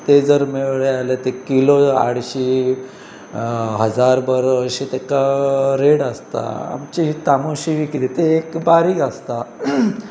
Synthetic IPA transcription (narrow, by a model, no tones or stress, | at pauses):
t̪ed͡zəɾmeɭɭealet̪ekiloa̰ɽ̤ɕi | ɦəd͡zaɾbəɾəɕit̪ekaɾeɽəst̪a̰a̰mt͡ɕit̪amoɕiʋikit̪it̪eːkbaɾiːkəst̪a